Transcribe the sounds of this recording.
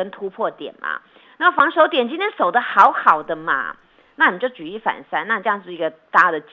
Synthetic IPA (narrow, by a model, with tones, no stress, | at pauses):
ə˦nt̪ʰu˥pʰwɔ˥˨t̪jɛ̰˨˩nmɐ̰˩ | na˥˩˨fɑ˧˥ŋʂo˧˥ʊt̪̬jɛ˨˩nt͡ɕi˥nt̪ʰjɛ˥nso˨˩ʊd̪ə˦xɑ˧˥ʊxɑ˨˩ʊd̪ə˦mɐ̰˨˩ | na˥˩ni˨˩mə˦t͡ɕjo˥˩ʊt͡ɕy˨˩i˥˩fa̰˨˩nsa˥na˥˧˩ʈ͡ʂɤ˥˧jɑ˥˧ʂ̩˥˩i˧˥ɡə˧t̪a˥˩d̪ə˩t͡ɕ